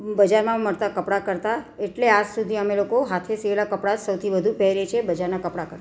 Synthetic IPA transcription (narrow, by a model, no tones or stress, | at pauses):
bəd͡ʒaɾmãməɾt̪akəpɽakəɾt̪aeʈlead͡ʒsud̪ʱiəmelokoɦat̪ʰesielakəpɽasəwt̪ʰibəd̪ʱupɛɾet͡ʃʰebəd͡ʒaɾnakəpɽakəɾt̪a